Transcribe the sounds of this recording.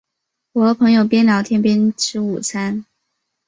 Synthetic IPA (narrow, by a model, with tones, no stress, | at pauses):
wɔ˧˥pʰɤ˧˥ŋjo˨˩ʊpjɛ˥nljɑ˧˥ʊt̪ʰjɛ˥npi˥nʈ͡ʂʰɻ̩˧˥ṵ˨˩t͡sʰa˥n